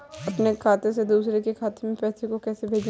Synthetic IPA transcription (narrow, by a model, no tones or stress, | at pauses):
ɐpnekʰaːt̪ẽsed̪uːsɾekekʰaːt̪emẽpɛːsekokɛːsebʱeːd͡ʒ